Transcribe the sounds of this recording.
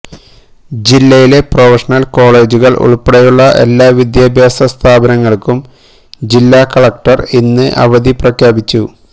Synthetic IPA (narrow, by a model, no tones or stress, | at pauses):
d͡ʑilːɐjile̞profɐʂɐnɐlko̞ːɭe̞ːd͡ʑuɣɐɭʔṵɭpɐɽɐjuɭːɐʔe̞lːaːʋid̪jaːbʱjaːsɐst̪ʰaːbɐnɐŋːɐɭkum | d͡ʑilːaːkɐɭɐk̚ʈɐrinːɨʔɐ̰ʋɐd̪iprɐkʰjaːbit͡ɕːu